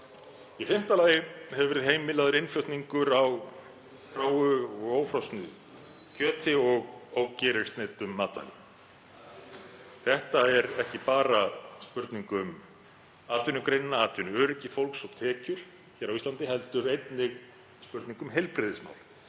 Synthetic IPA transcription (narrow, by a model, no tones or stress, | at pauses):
ifɪm̥t̪alaːjɪhɛvʏvɛɾɪðɦejmɪlaðʏɾɪnflœwht̪niŋkʏɾaw | fɾaːwʏɔɣoːwfɾawst̪nʏ | cʰœːt̪ʰɪɔɣoːwcɛːɾɪɾ̥st̪neːt̪ʏmːaːt̪a̰lɪ̰ | θɛht̪aɛɾɛhcɪpaːɾaspʏɾt̪niŋkʏm | aːt̪ʏnʏkɾejnnːaaːt̪ʏnœːɾɪcɪfowlksɔɣt̪ʰɛːcʏɾ̥ | çɛɾawist̪ant̪ɪɦɛlt̪ʏɾejt̪nɪɣ | spʏɾt̪niŋkʏmɦejlpɾɪðɪsma̰wl